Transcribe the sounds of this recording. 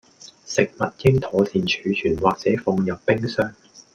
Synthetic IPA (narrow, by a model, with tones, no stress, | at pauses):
sɪ˨k̚mɐ˨t̚jɪ˥ŋt̪ʰɔː˨˧siː˨nt͡ʃʰyː˨˧t͡ʃʰyː˨˩nwaː˨k̚t͡sɛː˨˥fʊ˧ŋjɐ˨pːɪ˥ŋsœː˥ŋ